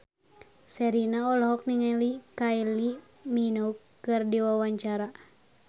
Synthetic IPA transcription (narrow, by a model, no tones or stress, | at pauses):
sɛɾinaɔlɔɦɔk̚niŋalikajli | minɔukː | ɨrdiwawaɲt͡ʃaɾa